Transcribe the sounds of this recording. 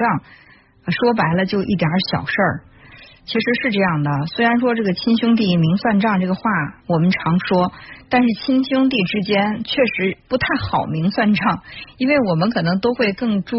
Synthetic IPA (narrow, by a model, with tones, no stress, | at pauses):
ʈ͡ʂɑ˥˩ŋ˧˩ | ʂwɔ˥p̬a˧˥ɪlə˧t͡ɕjo˥˧ʊʔi˥˩t̪jə˞˧˥ɕjɑ̰˨˩ʊʂə˥˩ | t͡ɕʰi˧˥ʂɻ̩˧˥ʂɻ̩˥˧ʈ͡ʂɤ˥˧jɑ˥˩ŋd̪ə˩swe˥ɪɻa˧˥nʂwɔ˥ʈ͡ʂɤ˥˩ɡə˩t͡ɕʰi˥nɕjʊ˥ŋt̪̬i˥˩mi˧˥ŋswa˥˧nʈ͡ʂɑ˥˧ŋʈ͡ʂɤ˥˩ɡə˩xwa˥˩wɔ˨˩mə˦nʈ͡ʂʰɑ˧˥ŋʂwɔ˥t̪a˥˧nʂɻ̩˥˩t͡ɕʰi˥nɕjʊ˥ŋt̪̬i˥˩ʈ͡ʂɻ̩˥t͡ɕjɛ˥nt͡ɕʰɥɛ˥˩ʂɻ̩˧˥pu˧˥t̪ʰa˥˩ɪxɑ˨˩ʊmi˧˥ŋswa˥˧nʈ͡ʂɑ˥˩ŋi˥nwe˥˩ɪwɔ˨˩mə˦nkʰɤ˨˩nɤ˧˥ŋt̪o˥ʊxwe˥˧ɪkɤ˥˩˧ŋʈ͡ʂu˥